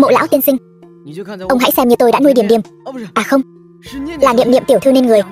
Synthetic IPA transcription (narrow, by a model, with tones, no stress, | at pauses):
mo̰˧˨la̰ː˧˥wt̪i˧ənsï˧ŋ̟ | ʔə˧wŋ͡mɦa̰˧˥jsɛ˧mɲɨ˧t̪o˧jɗa̰ː˧˥nu˧jɗi˧˩əmɗi˧˩əmʔaː˨˩xə˧wŋ͡m | laː˨˩nḭ˧˨əmnḭ˧˨ət̪i˧˩əwt̪ʰɨ˧ne˧nŋɨ˨˩əj